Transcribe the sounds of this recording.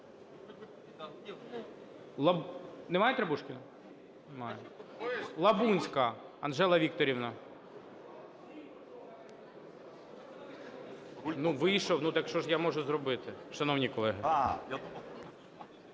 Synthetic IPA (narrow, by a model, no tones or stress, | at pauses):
lˠɐnemajɛt̪ɾɐbuʃkʲɪnɐ | nmɑjɛ | lˠɐbunʲsʲkɐɐ̰nʒɛlˠɐʋʲik̚t̪ɔɾʲiwnɐ | nuʋɪjʃɔwnut̪ɐkʃt͡ʃɔʒjamɔʒʊzɾɔbɪt̪ɪʃɐnɔwnʲikɔlˠɛɦɪ